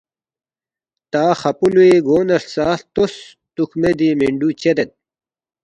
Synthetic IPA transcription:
t̪aːxɐpulueɡoːnɐssaːt̪os | t̪ukmed̪imiɳɖut͡ɕed̪et̪̚

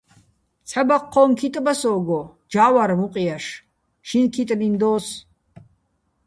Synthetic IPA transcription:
t͡sʰɛbaqʰːɔŋkʰit̪ʼbasɔːɡɔ | d͡ʒaːwaɾmuqʼijaʃ | ʃinkʰit̪ʼnind̪ɔːs

